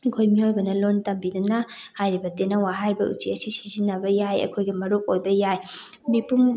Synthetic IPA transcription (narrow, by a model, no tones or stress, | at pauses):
ɐkʰojmiojbɐnɐlontɐmbidunɐ | hajɾibɐtenɐwaɦajɾibɐ̰ʔṵsiɐsisizinːɐbɐjajɐ̰kʰojɡimɐɾuk̚ojbɐjaj | mipum